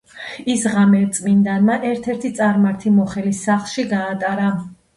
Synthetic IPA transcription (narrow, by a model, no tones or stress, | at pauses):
isʁamɛɾt̪sʼmind̪anmaʔɛɾt̪ʰɛɾt̪ʰit̪sʼaɾmaɾt̪ʰimɔχɛlisːaχlˠʃiɡaːt̪ʼaɾa